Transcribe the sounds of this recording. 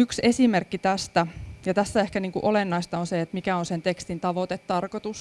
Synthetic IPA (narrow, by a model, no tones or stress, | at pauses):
yksesimerkːit̪æst̪æjɑt̪æsːæehkæniːŋkuʔolenːɑist̪ɑonseet̪mikæonsent̪ekst̪int̪ɑʋot̪et̪tɑrkot̪us